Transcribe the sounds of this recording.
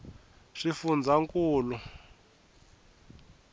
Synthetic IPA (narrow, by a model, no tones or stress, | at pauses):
ʂifund͡zʱaŋkuːlu